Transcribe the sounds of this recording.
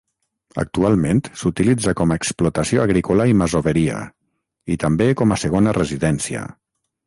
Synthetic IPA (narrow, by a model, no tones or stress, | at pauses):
a̰k̚t̪ualˠment̪sut̪ilid͡zakɔmaeksplut̪asioaɣɾikolaimazoβəɾia̰ | it̪ambekɔmasəɣ̞onərəziðɛnsiə̰